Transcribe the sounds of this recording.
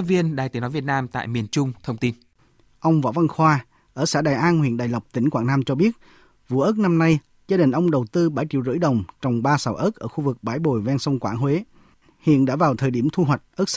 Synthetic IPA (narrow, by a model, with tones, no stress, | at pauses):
vi˧ənɗaː˨˩jt̪i˨˦nɔ˨˦vi˨˩ət̚naː˧mt̪a̰ː˧˨jmi˨˩ənt͡ɕʊ˧ŋ͡mt̪ʰə˧wŋ͡mt̪i˧n | ʔə˧wŋ͡mvɔ̰˧˥va˧nxwaː˧ | ʔəː˧˩sa̰ː˧˥ɗaː˨˩jʔaː˧nhwḭ˧˨ənɗa̰ː˨˩jlwk͡p̚t̪ï˧˩˦ŋ̟kwaː˧˩ŋnaː˧mt͡ɕɔ˧ɓi˦˥ət̚ | vṵ˧˨ʔəː˦˥k̚na˧mna˧j | zaː˧ɗï˨˩ŋ̟ʔə˧wŋ͡mɗə˨˩wt̪ɨ˧ɓaː˧˩jt͡ɕḭ˧˨wzɨ̰˧˥əjɗə˨˩wŋ͡mt͡ɕɔ˨˩wŋ͡mɓaː˧saː˧˩wʔəː˦˥k̚ʔəː˧˩xu˧vɨ˨˩k̚ɓaː˨˦jɓo̰˧˨˩jvɛ˧nsə˧wŋ͡mkwaː˧˩nɦwe˨˦ | hḭ˧˨ənɗa̰ː˧˥vaː˨˩wt̪ʰəː˨˩jɗi˧˩əmt̪ʰu˧ɦwa˨˩jk̟̚ʔəː˦˥k̚s